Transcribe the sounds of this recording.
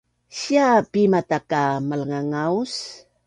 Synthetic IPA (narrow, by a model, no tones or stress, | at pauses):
ɕiapimatakamələŋaŋaus